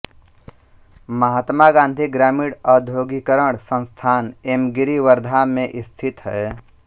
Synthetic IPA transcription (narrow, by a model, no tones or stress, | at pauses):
məɦaːt̪maɡãːnd̪ʱiɡɾaːmiːɽɔːd̪ʱjoːɡikəɾəɳ̃sə̃nst̪ʰaːnemɡɪɾiʋəɾd̪ʱamẽʔɪst̪ʰɪt̪ɦɛː